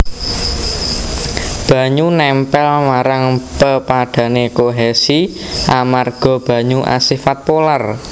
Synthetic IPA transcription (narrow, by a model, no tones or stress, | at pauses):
b̥ä̤ɲunɛmpɛlmaɾaŋpəpaɖ̥ä̤nekoɦɛsiʔamarɡ̥ɔ̤b̥ä̤ɲuʔa̰sifat̪̚polar